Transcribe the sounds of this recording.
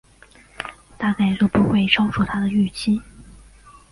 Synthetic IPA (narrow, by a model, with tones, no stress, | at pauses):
t̪a˥˧ka˥˩ɪt̪jo˥˩ʊpu˧˥xwe˥˩ɪʈ͡ʂʰɑ˥ʊʈ͡ʂʰu˥˩t̪ʰa˥d̪ə˨y˥˩t͡ɕʰi˥